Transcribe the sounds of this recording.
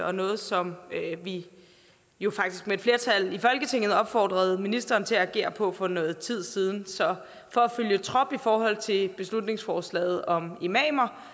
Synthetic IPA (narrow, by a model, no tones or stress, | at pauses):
ɒ̽nɔ̽ːð̞̩ˠsɒ̽mʋi | jo̝fɑ̈ɡ̥̚d̥isɡ̥meed̥fle̝ɐt͡sʰælifɒ̽lɡ̥ət͡sʰe̝ŋ̰ð̩ˠɒ̽b̥fɒ̰ːd̥ʁɐð̞̩ˠminisd̥ɐːnt͡sʰe̝ææɡ̥e̝̰ːɐpʰɒ̽fɒ̽nɔ̽ːð̞̩ˠt͡sʰið̞̰ˠsiːð̞ˠn̩sɒ̽ | fɒ̽æføljət͡sʰʁɒ̽b̥ifɒːɦɒ̽l̰t͡sʰe̝b̥e̝slud̥ne̝ŋsfɒːslɛ̰ːð̩ˠɒ̽me̝mɛːmɐ